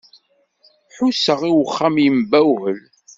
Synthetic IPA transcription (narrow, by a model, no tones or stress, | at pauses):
ħusəʁiwəχːamjəmbæwhəl